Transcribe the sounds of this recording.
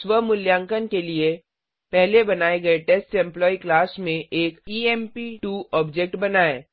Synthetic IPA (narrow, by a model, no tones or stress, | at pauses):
sʋəmʊljãːŋkənkelie | pɛɦlebɐnaːeɡɐeʈeːsʈɛ̃mplɔːiklaːsmẽʔeːkiːɛmpiʈuːɔːbd͡ʒek̚ʈbɐnaːeː